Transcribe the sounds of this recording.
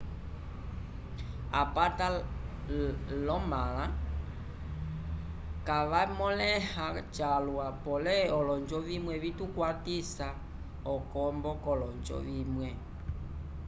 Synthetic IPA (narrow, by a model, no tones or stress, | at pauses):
a̰pata | lɔmala | kaʋamɔlɛhat͡ʃalwapɔlɛɔlɔnd͡ʒɔʋimwɛβitukwatisa | ɔkɔmbɔkɔlɔnd͡ʒɔ̰ʋimwɛ